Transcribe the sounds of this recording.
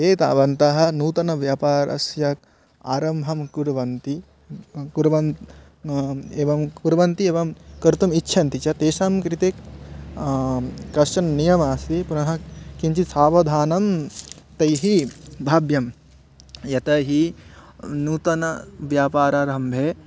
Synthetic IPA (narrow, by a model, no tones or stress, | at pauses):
eːt̪a̰ːʋɐnt̪ɐɦɐ̆nuːt̪ɐnɐʋjaːpaːɾɐ̰sjɐk̚ | aːɾɐmbʱɐmkuɾɐʋɐnt̪i | kuɾʋɐn | eːʋɐmkuɾɐʋɐnt̪ieːʋɐmkɐɾt̪ɐmitːʃʰɐnt̪it͡ʃɐt̪eːʃamkɾit̪e | kɐst͡ʃɐnnijɐmaːsipunɐɦɐ̆kiɲt͡ʃisaːʋɐd̪ʱaːnɐmt̪ɐjɦibʱaːbjɐm | jɐt̪ɐɦi | nuːt̪ɐnɐʋjaːpaːɾaːɾɐmbʱeː